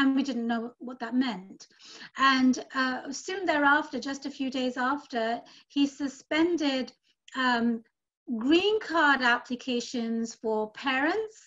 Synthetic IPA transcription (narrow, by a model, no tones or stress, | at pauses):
ɨ̃nwidɪdⁿn̩noʊwʌt̪̚ðət̚mɛ̃nt | ə̃nʌsʉ̃nðəɹæftə˞d͡ʒʌstɨfjʉdeɪzæftə˞ɪ | isɨspɛ̃ndɪd | ʌ | ɡɹĩnkʰɑɹɾæpʰlɨkʰeɪʃɨ̃nz̥fə˞pʰɛɹɨ̃nts